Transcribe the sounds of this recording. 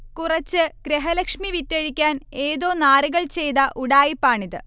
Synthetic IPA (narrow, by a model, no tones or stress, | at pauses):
kurɐt͡ɕːɨɡ̥ɾeɦɐlɐkʂmiʋitːɐɻikʲːaːne̞ːðo̞ːnaːriɣɐɭt͡ɕe̞jd̪ɐʔuɽaːjipːaːɳiðɨ